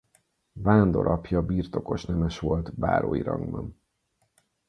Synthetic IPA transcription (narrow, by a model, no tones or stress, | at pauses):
vaːnd̪o̞ɾʔɒpjɒbiːrt̪o̞ko̞ʃnɛmɛʃʋo̞lt̪ba̰ːɾo̰ːjḭɾɒŋɡbɒn